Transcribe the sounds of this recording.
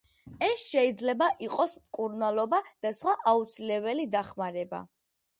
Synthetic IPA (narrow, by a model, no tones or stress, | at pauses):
ɛsʃɛid̪zlɛbaʔiqʼɔsmkʼuɾnalˠɔbad̪̥asχwaʔaut̪sʰilɛbɛlid̪aχmaɾɛba̰